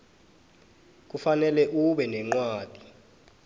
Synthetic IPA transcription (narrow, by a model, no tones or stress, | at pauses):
k̬ufanɛlɛʔuɓɛnɛŋ͡ǃwaːd̥ʱi̥